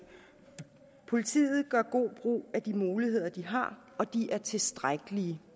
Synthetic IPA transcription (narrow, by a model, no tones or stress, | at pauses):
pʰo̝lit͡sʰḭːð̩ˠɡ̥ɶɐ̰ɡ̥o̝̰ːb̥ʁṵːæd̥imuːliɦe̝ð̞̰ˠɐd̥iɦɑ̈ | ɒ̽d̥iæɐt͡sʰe̝sd̥ʁaɡ̥əliə